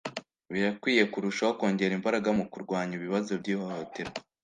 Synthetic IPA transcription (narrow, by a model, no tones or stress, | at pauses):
βiɾakwiːje̞kuɾuʃaoko̞ːɲɟe̞ɾimbaɾaɡamukuɾɡwaːɲiβiβazo̞bɟiːhohote̞ɾo